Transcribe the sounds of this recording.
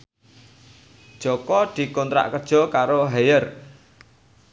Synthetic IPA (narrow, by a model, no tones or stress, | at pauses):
d̥ʒ̥ɔ̤kɔd̪̥i̤kɔnt̪ɾa̰ʔkəd̥ʒ̥ɔ̤kaɾoɦejər